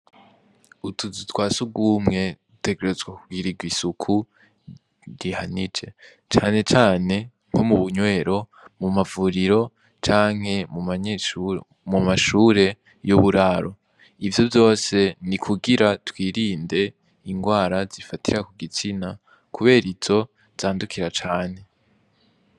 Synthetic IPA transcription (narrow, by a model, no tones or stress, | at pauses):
utʰuzitʰwaːsuɡwumŋe̞dute̞ɡe̞ɾezɡwakuɡiɾiɡwisukʰu | dihanid͡ʒe̞ | t͡ʃaːne̞t͡ʃaːne̞ | ŋ̥ho̞muβuɲwe̞ːɾo̞ | mumavuːɾiɾo̞ | t͡ʃaːŋ̥he̞mumaɲeʃu | mumaʃuːɾe̞ | joβuɾaɾo̞ | ivjo̞vjo̞ːse̞nikʰuɡiɾatwiːɾiːnde̞ | iŋɡwaːɾaz̥ifatʰiɾakuɡit͡sina | kuβe̞ːɾizo̞ | z̥aːndukʰiɾat͡ʃaːne̞